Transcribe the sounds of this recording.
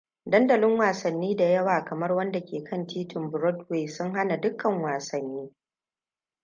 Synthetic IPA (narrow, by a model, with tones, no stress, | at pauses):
dɐ˦ndɐ˨lɪ˦ŋwaː˨sɐ˨nːiː˦da˨jɐ˦waː˨kɐ˨mɐ˦rwɐ˦nda˨kʲeː˨kʰɐ˦˨ntiː˦tɪ˨mbʊ˨ɾɔ˦dweː˨sʊ˦ŋɦa˦na˨dʊ˦kʰːɐ˨ŋwaː˨sɐ˨nːiː˦